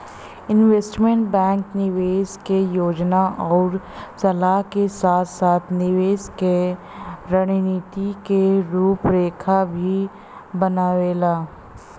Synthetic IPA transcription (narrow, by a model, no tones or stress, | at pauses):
ɪnʋeːsʈmẽɳʈbɛ̃ːŋknɪʋeːskejoːd͡ʒnaʔɔːɾ | sɐlaɦkesaːt̪ʰsaːt̪ʰnɪʋeːske | ɾɐɽ̃iniːt̪ikeɾuːpɾeːkʰabʱi | bɐnaːʋeːlaː